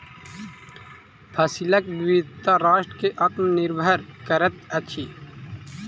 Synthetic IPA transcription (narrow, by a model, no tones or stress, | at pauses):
pʰɐsilɐkbʋit̪aɾaːʃʈkeʔɐt̪mniɾbʱəɾkɐɾət̪ɐt͡ʃʰiː